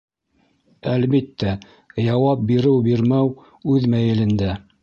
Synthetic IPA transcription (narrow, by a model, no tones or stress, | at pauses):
ælβit̪ːæ | jɑwɑp̚biɾɘwbiɾmæw | ʉðmæjɘ̆lɘ̆nd̪æ